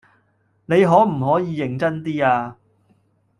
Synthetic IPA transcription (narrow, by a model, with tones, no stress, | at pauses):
ne˨˧jɦɔː˨˥m̩˨˩ɦɔː˨˥jiː˨˧jɪ˨˩ŋt͡sɐ˥nt̪iː˥aː˧